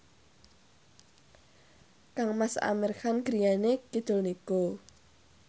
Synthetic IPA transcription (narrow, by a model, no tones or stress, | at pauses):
kaŋmasa̰mɛrxanɡ̥ɾijanekid̪̥o̤lniko